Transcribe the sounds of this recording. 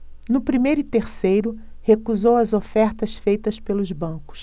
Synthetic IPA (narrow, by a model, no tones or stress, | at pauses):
nʊpɾimejɾʊit̪eɾsejɾʊ | hekuzowɐzofɛɾt̪ɐsfejt̪ɐspelʊzbɐ̃kʊ̥s